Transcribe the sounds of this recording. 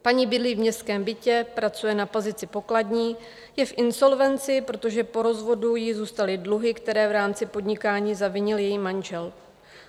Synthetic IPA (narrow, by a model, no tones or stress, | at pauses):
paɲiːbɪdlivmɲɛst̪kɛːmbɪcɛpɾat͡sujɛnapo̞zɪt͡sɪpo̞kladɲiː | jɛfʔɪnso̞lvɛnt͡sɪpɾo̞t̪o̞ʒɛpo̞ɾo̞zvo̞dujɪzuːst̪alɪdluɦɪkt̪ɛɾɛːvɾaːmt͡sɪpo̞dɲɪkaːɲiːzavɪɲɪljɛjiːmanʒɛl